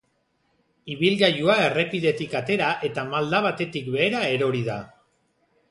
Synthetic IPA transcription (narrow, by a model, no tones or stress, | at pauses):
iβ̞ilɣajuae̞re̞piðe̞t̪ikat̪e̞ɾaʔe̞t̪amald̪aβat̪e̞t̪ikβe̞ːɾae̞ɾo̞ɾiða